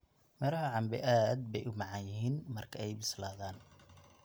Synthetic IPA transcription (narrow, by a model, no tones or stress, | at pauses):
mɛɾɐɦɐʕɑmbɪʔaːd̪̚bɛjʔʊmɑʕɑnjɪɦiːnmɐrkʰɐɛjbɪslaːðaːn